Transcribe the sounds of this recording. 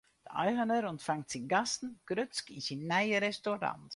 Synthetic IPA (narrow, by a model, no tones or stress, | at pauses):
d̥əʔa̰jʁənəɾɔntfaŋtsinɡasn̩ɡ̥ɾʏt͡skisinːajəɾɛstoɾa̰nt